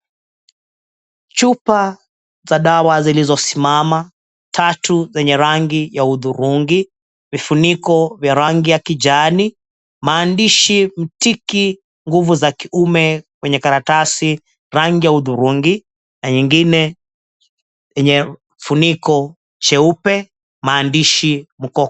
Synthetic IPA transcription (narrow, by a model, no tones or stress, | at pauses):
t͡ʃupa | zaɗawazilizɔsimama | tʰatuzɛɲɛɾaŋɡijauðuɾuŋɡi | vifunikɔvjaɾaŋɡijakid͡ʒani | maːndiʃim̩tiki | ŋɡuvuzakiumɛkwɛɲɛkaɾatasi | ɾaŋɡijauðuɾuŋɡi | naɲiŋɡinɛ | ɛɲɛ | funikɔ | t͡ʃɛupɛ | maːndiʃim̩kɔ